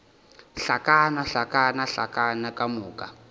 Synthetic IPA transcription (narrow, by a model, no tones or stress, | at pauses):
ɬakanaɬakanaɬa̰kanakamuːka